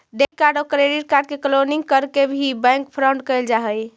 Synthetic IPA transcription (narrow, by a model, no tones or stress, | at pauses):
ɖekaɾɖɔkɾeɖiʈ̚kaɾɖ̚kekəloniŋɡkəɾkebʱibɛ̃ŋkpʰɾəɳɖkəjld͡ʒaɦəj